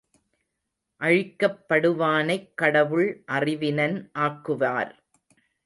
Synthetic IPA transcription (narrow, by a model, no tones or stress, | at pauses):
ʔɐɻɪkːɐpːɐɽɯʋaːnɐɪkːɐɽɐʋɯɭʔɐrɪʋɪnɐnʔaːkːɯʋa̰ːɾ